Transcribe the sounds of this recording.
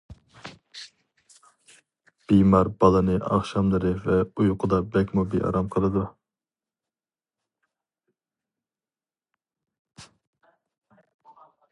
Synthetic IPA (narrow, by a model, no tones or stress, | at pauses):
b̥imɑɾbɑlˠɨnɨʔɑ̰χʃɑmlˠɨɾɨvɛujuqʰʊd̪ɑbɛkʲmubiʔɑ̰ɾɑmqʰəlˠɨd̪u